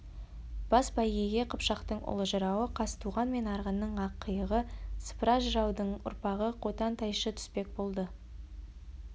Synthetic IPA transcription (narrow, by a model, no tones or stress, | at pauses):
b̥ɑsbɑjɡʲeɡʲe̞qʰəpʃɑqt̪əɴʊ̰lˠəʒəɾɑwəqʰɑst̪ʰuʁɑnme̞nɑɾʁənːəɴɑqʰːəjəʁəsə̥pɾɑʒəɾɑwd̪əɴʊ̰ɾpɑʁəqʰot̪ɑnt̪ɑjʃət̪ʰʏ̥spe̞k̚bo̞lˠd̪ə